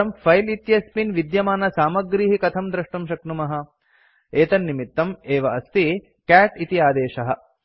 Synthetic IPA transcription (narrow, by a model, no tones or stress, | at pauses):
ɐmpʰɐjlit̪jɐspinʋid̪jɐmaːnɐsaːmɐɡɾiːɦikɐt̪ʰɐmd̪ɾɐʂʈɐmʃɐknumɐɦɐ̆ | eːt̪ɐnːimit̪ːɐmeːʋɐɐst̪i | kæːʈit̪iaːd̪eːʃɐɦɐ̆